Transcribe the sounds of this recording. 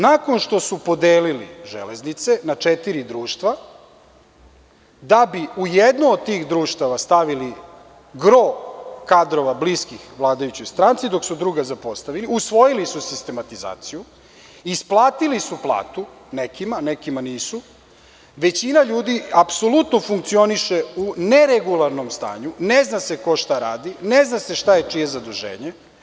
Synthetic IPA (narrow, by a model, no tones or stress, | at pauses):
nako̞nʃt̪o̞supo̞d̪eːlilḭʒḛleznit̪se̞nat͡ʂet̪iɾid̪ɾuːʃt̪ʋa | d̪abiujed̪nood̪̚t̪iːxd̪ɾuːʃt̪aʋast̪aʋili | ɡɾokad̪ɾo̞ʋabliskixʋlˠaːd̪ajut͡ɕo̞jst̪ɾant̪sid̪o̞ksud̪ɾuɡazapo̞st̪aʋiliusʋo̞jilisusist̪e̞mat̪iza̰ːt̪siju | isplˠaːt̪ilisuplˠa̰ːt̪u | nekimanekimaniːsu | ʋe̞t͡ɕinaʎuːd̪iapso̞lut̪nofuŋk̚t̪sio̞niʃeune̞ɾeɡulˠaɾnomst̪a̰ːɲuneznaseko̞ʃt̪aɾaːd̪ineznase̞ʃt̪aje̞t͡ʂije̞zad̪uʒḛːɲe